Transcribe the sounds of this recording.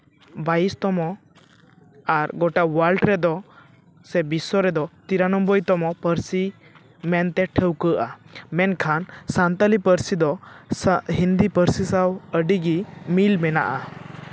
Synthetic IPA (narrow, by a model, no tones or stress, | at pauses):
baist̪ɔmɔ | aɾɡɔʈawalʈɾɛd̪ɔ | sɛbisɔɾɛd̪ɔt̪iɾanɔmbɔjt̪ɔmɔpəɾsi | mɛnt̪ɛʈʰəwkəʔamɛnkʰansant̪əlipəɾsid̪ɔ | ɦind̪ipəɾsisawəɖiɡimilmɛna̰ʔa